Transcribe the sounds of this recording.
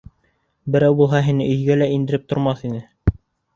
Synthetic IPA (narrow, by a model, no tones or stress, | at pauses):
bɘ̆ɾæwbulˠɦɑɦinɘʔɵ̆jɡælæind̪ɘ̆ɾɘp̚t̪ŏɾmɑθinɘ